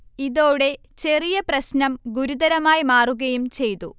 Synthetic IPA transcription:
iðoːɽe̞ | t͡ɕe̞rijɐprɐɕnɐmɡuɾuðɐɾɐmaːjimaːruɣɐjumt͡ɕe̞jt̪ṵ

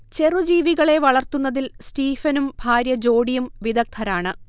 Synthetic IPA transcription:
t͡ɕe̞rud͡ʑiːʋiɣɐɭe̞ʋɐɭɐrt̪unːɐðilstiːfɐnumbʱaːɾjɐd͡ʑo̞ːɽijumʋid̪ɐk̚t̪ʰɐɾaːɳɨ

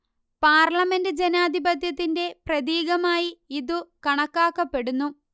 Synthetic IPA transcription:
paːrlɐme̞ndɨd͡ʑenaːd̪ʱibɐd̪ʱjɐt̪ːinde̞prɐðiːɣɐmaːjiiðukɐɳɐkːaːkːɐpːe̞ɽunːu

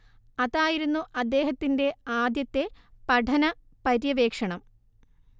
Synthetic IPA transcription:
ɐðaːjiɾunːuʔɐd̪ːe̞ːɦɐt̪ːinde̞aːd̪jɐt̪ːe̞pɐɖʰʱɐnɐ | pɐɾjɐʋe̞ːkʂɐɳɐm

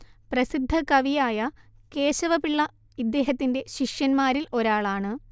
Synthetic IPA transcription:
prɐsid̪ʱːɐkɐʋijaːjɐke̞ːɕɐʋɐpiɭːɐ | id̪ːe̞ːɦɐt̪ːinde̞ɕiʂjɐnmaːɾilo̞ɾaːɭaːɳɨ

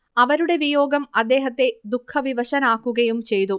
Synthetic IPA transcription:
ɐʋɐɾuɽe̞ʋijo̞ːɡɐmɐd̪ːe̞ːɦɐt̪ːe̞d̪ukʰːɐʋiʋɐɕɐnaːkːuɣɐjumt͡ɕe̞jt̪u

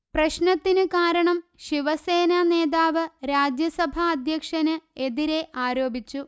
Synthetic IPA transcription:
prɐɕnɐt̪ːinɨkaːɾɐɳɐmɕiʋɐseːnɐne̞ːðaːʋɨɾaːd͡ʑjɐsɐbʱɐːd̪ʱjɐkʂɐnɨe̞ðiɾe̞ʔaːɾo̞ːbʱit͡ɕːu

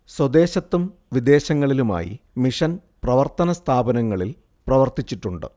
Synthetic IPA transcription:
swɐd̪e̞ːɕɐt̪ːumʋid̪e̞ːɕɐŋːɐɭiluma̰ːjḭmiʂɐnprɐʋɐrt̪ɐnɐst̪ʰaːbɐnɐŋːɐɭil | prɐʋɐrt̪it͡ɕːiʈːuɳɖɨ̰

